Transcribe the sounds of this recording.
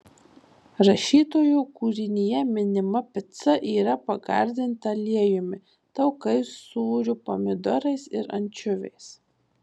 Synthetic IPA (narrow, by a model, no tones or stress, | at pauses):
ɾɐʃʲiːt̪oːjuˑkuːɾʲɪnʲɪjɛmʲɪnʲɪmɐpʲɪt̪sɐʔiːɾɐpɐɡɑ̰ˑɾʲd̪ʲɪnt̪ɐlʲiɛjʊmʲɪ | t̪ɐʊkɐɪsuːɾʲʊpɔmʲɪd̪ɔɾɐɪsɪɾɐ̰nʲt͡ʃʲʊʋʲɛ̰ɪs